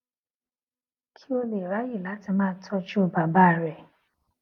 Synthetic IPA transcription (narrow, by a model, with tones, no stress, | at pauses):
kʰi˦o˧le˨ɾa˨˦ji˦˨la˨˦ti˧mãː˦tʰɔ˦d͡ʒu˦˨ba˨˦ba˦˨ɾɛ˨